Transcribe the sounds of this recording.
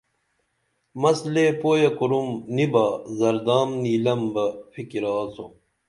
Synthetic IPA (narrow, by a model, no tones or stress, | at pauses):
mɐsleːpoːjɐkuɾumnibaːzɐɾd̪aːmniːlɐmbɐfikiɾaːsṵ